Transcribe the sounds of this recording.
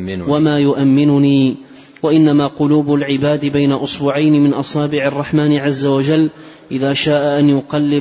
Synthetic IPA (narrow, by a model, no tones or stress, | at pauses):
wamaːjʊʔamːɪnʊniː | waʔɪnːamaːqʊluːbʊlʕɪbaːd̪ɪbajnaʔʊsbʊʕajnɪmɪnʔɑsˤɑːbɪʕɑrˤːɑħmaːnɪʕazːawad͡ʒalː | ʔɪðaːʃaːʔaʔanjʊqɑlːɪ